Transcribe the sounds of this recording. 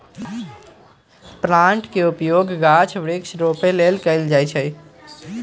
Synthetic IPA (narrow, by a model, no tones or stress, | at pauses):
pɾãɳʈkeʊpjoːɡɡat͡ʃʰʋɾɪksɾoːpeleːlkəɪld͡ʒaːjt͡ʃʰəi